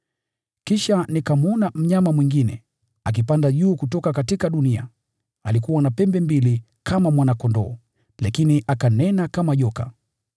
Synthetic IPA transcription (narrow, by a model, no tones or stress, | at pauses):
kiʃanikamuɔnam̩ɲamamwiŋɡinɛ̰ | ak̬ipandaʄuːkutɔkakatikaɗunia̰ | alikuwanapɛmbɛmbili | kamamwanakɔndɔ̰ː | lakiniʔakanɛnakamaʄɔka̰